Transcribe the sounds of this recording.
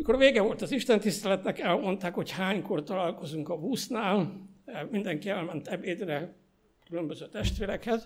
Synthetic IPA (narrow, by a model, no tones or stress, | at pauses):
miko̞rveːɡɛvo̞lt̪ɒziʃt̪ɛnt̪ist̪ɛlɛt̪nɛkɛlmo̞nt̪aːkho̞chaːɲko̞rt̪ɒlaːlko̞zuŋkɒbuːsnaːl | mind̪ɛŋkiɛlmɛnt̪ɛbeːd̪rɛ | kylø̞mbøzøːt̪ɛʃt̪ʋeːɾɛkhɛz